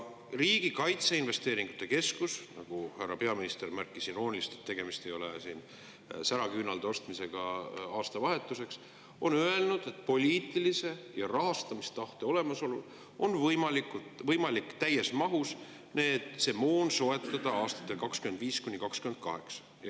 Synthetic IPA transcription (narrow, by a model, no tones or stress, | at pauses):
riːɡ̥ikɑjt̪seinve̞st̪e̞ːɾiŋɡ̥ut̪ːˑe̞ke̞skusnɑ̰ɡ̥uhærːɑpe̞ɑminist̪e̞rmærkːˑisinro̞ːnʲilist̪et̪ːe̞ɡ̥e̞mist̪e̞jo̞lesiːn | sæɾɑkynɑld̪eo̞st̪mise̞ɡ̥ɑɑːst̪ɑvɑɦe̞t̪ːˑuse̞ks | o̞nøe̞lnud̪̥e̞t̪̚ːˑpo̞lʲiːt̪ːˑilise̞jɑrɑɦɑst̪ɑmist̪ɑht̪e̞o̞le̞mɑso̞lul | o̞nvɤjmɑlikːut̪vɤjmɑlikːt̪æjːe̞smɑɦus | neːt̪se̞mo̞ːnso̞e̞t̪ːˑɑd̪̥ɑɑːst̪ɑ̥t̪ːˑe̞lkɑkskyme̞nd̪viːskunʲːikɑkskyme̞nd̪̚kɑ̰ɦe̞ksɑ̥ | j